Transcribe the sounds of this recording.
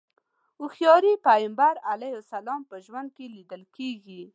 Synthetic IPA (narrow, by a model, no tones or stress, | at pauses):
uxjɑɾipajɪmbaɾalajosalɑmpəʒwand̪̚kelid̪əlkeɡi